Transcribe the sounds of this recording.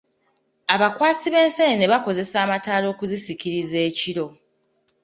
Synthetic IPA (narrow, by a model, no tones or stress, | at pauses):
aβakwaːsiβe̞ːnsenene̞βako̞ze̞saːmataːlo̞ːkuzisikiɾize̞ːciɾo̞